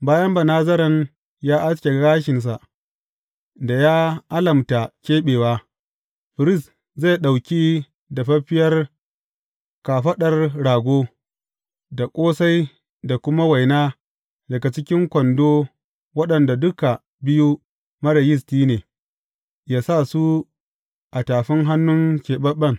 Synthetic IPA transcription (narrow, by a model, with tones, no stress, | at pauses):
baː˦jɐ˦mba˨naː˦zɐ˦ɾɐ˨n | jaː˦ʔa˦skʲe˨ɐ˦ɡaː˦ʃɪ˨ns̬a˨ʔ | da˨jaː˦ʔa˦lɐ˨mta˨kʲeː˦ɓeː˨waː˦ | ɸɪ˨ɾɪ˦s | za˦˨jɗa˨wkʲi˦ | da˨ɸɐ˦ɸɪ˦jɐ˦r | kaː˨ɸɐ˦ɗɐ˨rɽaː˨ɡʷoː˦ | da˨kʷʼoː˦sa˦j | da˨kʷʊ˦ma˦wa˨jnaː˦ | dɐ˨ɡa˨t͡ʃɪ˦kʲɪ˦ŋkʷɔ˨ndoː˦ | wɐ˦ɗɐ˨nda˨dʊ˦ka˨ | bɪ˦ju˦ | mɐ˦ɽɐ˨jɪ˦stiː˦neː˨ | jaː˦sa˦˨su˦ | ʔa˨taː˨ɸɪ˦ŋɦa˦nːʊ˦ŋkʲeː˨ɓɐ˦ɓɐ˦ŋ